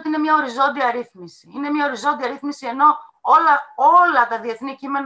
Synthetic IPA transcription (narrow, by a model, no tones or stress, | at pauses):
ot̪iine̞mɲɐo̞ɾizo̞nd̪iɐɾiθmisiine̞mɲɐo̞ɾizo̞nd̪iɐɾiθmisie̞no̞ | olɐo̞lɐt̪ɐðie̞θnicime̞n